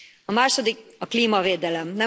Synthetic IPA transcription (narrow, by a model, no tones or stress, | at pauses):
ɒmaːʃo̞d̪ikɒkliːmɒveːd̪ɛlɛmnɛ